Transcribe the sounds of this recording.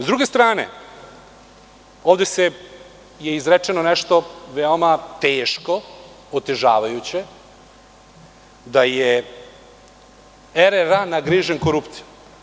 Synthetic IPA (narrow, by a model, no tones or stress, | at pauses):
zd̪ɾuɡe̞st̪ɾaːnḛ | oːʋd̪ese | jeizɾet͡ʂenonɛʃt̪o̞ʋeomat̪eːʃko̞ | ot̪e̞ʒa̰ːʋajut͡ɕe̞ | d̪aje | eɾeɾanaɡɾiʒenko̞ɾupt̪siju